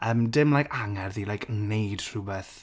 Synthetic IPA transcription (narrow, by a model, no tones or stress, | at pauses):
əmdɪmlajkʰaŋɛrðilajkʰənejd̥r̥ubɛθ